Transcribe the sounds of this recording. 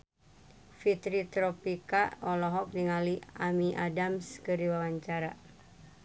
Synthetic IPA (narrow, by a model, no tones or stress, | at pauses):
fit̪ɾit̪ɾopikaɔlɔɦɔk̚diŋaliamiʔadamskəɾiwawaɲt͡ʃaɾa